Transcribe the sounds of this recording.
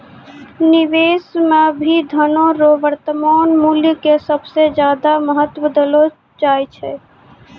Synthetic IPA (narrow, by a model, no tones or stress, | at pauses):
niʋeːsmebʱid̪ʱənõɾoʋəɾt̪əmaːnmuljəkesəbsed͡ʒjaːd̪aməɦət̪wəd̪əlo | d͡ʒaːjt͡ʃʰɛ